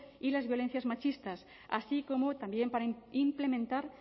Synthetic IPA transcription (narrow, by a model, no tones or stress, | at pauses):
ilazβjo̞len̟θjazmat͡ʃist̪as | a̰sikomot̪ambjempaɾaimplemẽnt̪aɾ